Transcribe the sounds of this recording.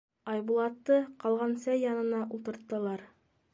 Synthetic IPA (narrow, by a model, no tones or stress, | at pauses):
ɑjbulˠɑt̪ːɤqɑlˠʁɑnsæjɑnɤ̆nɑʔulˠt̪ɤ̆ɾt̪ːɤ̆lˠɑɾ